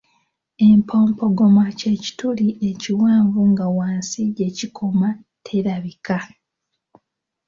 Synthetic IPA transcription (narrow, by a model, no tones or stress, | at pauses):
e̞mpʰo̞ːmpo̞ɡo̞mace̞ci̥tuliʔe̞ciwaːɱvuŋɡawaːnsiɟe̞cikʰo̞ma | tʰe̞ɾaβika